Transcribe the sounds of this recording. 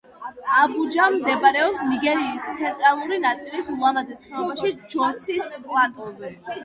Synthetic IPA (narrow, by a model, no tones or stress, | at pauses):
abud͡ʒamd̪ɛbaɾɛɔpsniɡɛɾiːst̪sʰɛnt̪ʼɾalˠuɾinat̪sʼilisulˠamazɛsʰχɛlˠɔbaʃid͡ʒɔsispʼlˠad̪ɔzɛ